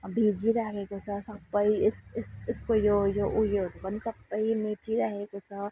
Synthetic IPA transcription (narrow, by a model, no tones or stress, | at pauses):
bʱid͡ʒiɾakekot͡ʃʰʌsəbəjsɪsskojojoʔujod̪bənisəbəjmeʈiɾəɦekot͡ʃʰʌ